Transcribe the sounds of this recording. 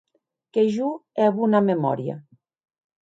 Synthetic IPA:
keʒuɛβunamemɔ̰ɾja̰

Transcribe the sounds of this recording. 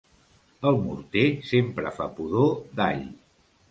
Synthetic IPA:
əlˠmṵɾt̪esempɾə̰fapuðod̪a̰ʎ

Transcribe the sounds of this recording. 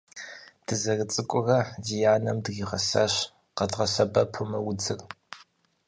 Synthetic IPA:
d̥ɨzɐrɨt͡sʼɨkʷʼʊrɐzijaːnɐmdɣiːʁɐ̰sɐɕ | qɐdʁɐsɐbɐpʰʊmɐwʊd͡zɨr

